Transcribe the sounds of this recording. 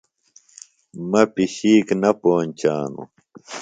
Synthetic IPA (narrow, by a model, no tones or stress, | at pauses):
mɐpiɕiːknɐpoːnt͡ɕaːnṵ